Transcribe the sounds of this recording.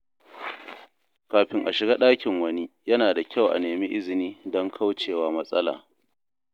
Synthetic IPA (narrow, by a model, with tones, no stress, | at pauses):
kaː˨ɸɪ˦ŋʔa˨ʃɪ˨ɡaː˦ɗaː˦kʲɪ˨ŋwɐ˦niː˦jɐ˦naː˨da˨kʲa˦˨wʔa̰˨neː˨mi˦ʔɪ˦zɪ˨niː˦dɔ˦ŋkʰa˦wt͡ʃeː˨waː˦mɐ˦sʼɐ˦la̰ː˨